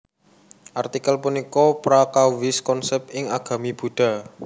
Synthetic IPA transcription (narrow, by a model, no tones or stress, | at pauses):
ʔart̪ikəlpunikɔpɾakawɪskɔnsɛp̚t̪ɪŋaɡ̥a̤mib̥ṳɖ̥a̤